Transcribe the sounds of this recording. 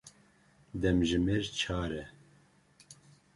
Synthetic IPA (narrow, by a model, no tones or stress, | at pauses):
d̪ɛmʒɨmeɾt͡ʃʰaːɾɛ